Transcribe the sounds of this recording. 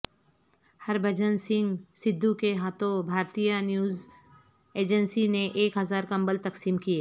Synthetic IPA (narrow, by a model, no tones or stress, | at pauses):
hɐɾbʱɐd͡ʒənsɪ̃ŋɡsɪd̪ʱːukeɦaːt̪õbʱaːɾt̪ijanjuːz | eːd͡ʒənsineʔeːkɦɐzaːɾkɐ̃mbəlt̪ɐksiːmkieː